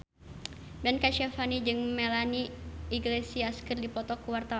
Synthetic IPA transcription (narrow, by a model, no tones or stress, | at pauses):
bɛnkaʃafanid͡ʒɨŋmɛlaniːɡlesiaskɨrdipɔt̪ɔkuwart̪aw